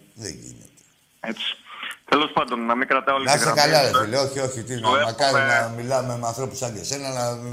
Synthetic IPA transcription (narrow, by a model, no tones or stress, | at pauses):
ðḛɲɟḭnḛt̪e̥ | et͡si̥t̪elo̞spɐnd̪o̞nːɐmiŋɡɾɐt̪ɐoliɐsekɐlɐlesileo̞çio̞çit̪inmɐkɐɾinɐmilɐmemeɐnθɾo̞pu̥sɐɲɟesenɐlɐ